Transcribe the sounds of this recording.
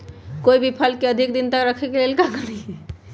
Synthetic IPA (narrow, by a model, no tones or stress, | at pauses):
koibʱipʰəlkeəd̪ʱik̚d̪int̪əkɾəkʰekelelkakənii